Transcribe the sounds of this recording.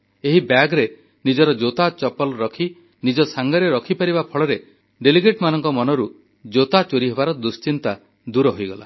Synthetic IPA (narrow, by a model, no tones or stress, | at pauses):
eɦibaɡɾe | nid͡ʒɔɾɔd͡ʒot̪at͡ʃɔpɔlɾɔkʰi | nid͡ʒɔsaŋɡɔɾeɾɔkʰipaɾibapʰɔɭɔɾe | ɖeliɡeʈmanɔŋkɔmɔnɔɾu | d͡ʒot̪at͡ʃoɾiɦebaɾɔd̪ust͡ʃint̪a | d̪uɾɔɦojɡɔla̰